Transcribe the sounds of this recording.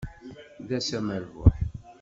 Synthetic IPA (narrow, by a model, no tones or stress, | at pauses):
ðæsæmæɾvʊ̰ħ